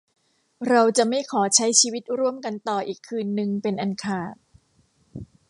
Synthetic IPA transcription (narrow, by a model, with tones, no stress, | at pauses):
ɾa˧wt͡ɕa˨˩ma˥˩jkʰɔː˩˦t͡ɕʰa˦˥jt͡ɕʰiː˧wi˦˥t̪̚ɾu˥˩əmka˧nt̪ɔː˨˩ʔiː˨˩kʰːɯː˧nːɯ˧ŋpe˧nʔa˧nkʰaː˨˩t̪̚